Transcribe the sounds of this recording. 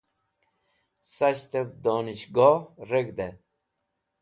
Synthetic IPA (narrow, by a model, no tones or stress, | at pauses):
sɐt͡ɕt̪ep̚d̪oːniɕɡɔːɾeɡd̪e